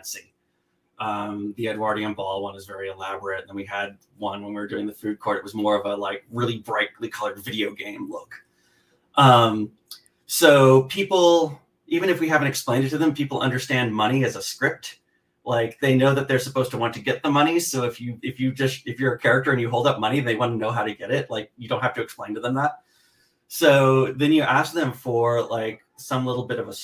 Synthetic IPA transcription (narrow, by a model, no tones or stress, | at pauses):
nsi | ʔʌ̃mðiɨdwɑɹɾiɨ̃nbɔlˠwʌ̃nwʌzvɛɹiɨlæbɹɨt̚ðə̃nwiɨd̚ | wʌ̃nwə̃nwiwə˞dʉɪ̃ŋðɨfʉd̚kʰɔɹɾɨt̚wʌzmɔɹʌvəlaɪk̚ɹɪlˠibɹaɪtˡlikʰʌlˠə˞dvɪɾioʊɡẽɪ̃mlʊk | ʔʌ̃m | soʊpʰipl̩ˠ | ʔivɨ̃ñɨfwiɦævɨ̃ntɨksplẽɪ̃nɨdtʰɨðɨ̃mpʰipl̩ˠʔʌ̰̃ndə˞stæ̃nmʌɾ̃iɨzəskɹɪp̚t | laɪk̚ðeɪnoʊðɨt̪̚ðə˞səpʰoʊz̥tʰəwɑ̃ntʰɨɡɛt̪̚ðəmʌɾ̃isoʊɨfjɨɨfjɨd͡ʒʌstɨfjə˞ɨkʰɛɹɨk̚tə˞ɨ̃njɨɦoʊlˠdʌp̚mʌñiðeɪwɑ̃nnoʊɦaʊɾɨɡɛɾɪt̚laɪk̚jɨdõʊ̃nt̚hæftɨɨksplẽɪ̃ntɨðə̃mðæt̚ | soʊðɨ̃njɨʔæsk̚ðɨ̃ɱfə˞laɪk̚ | sʌ̃mlɪɾl̩ˠbɪɾʌvə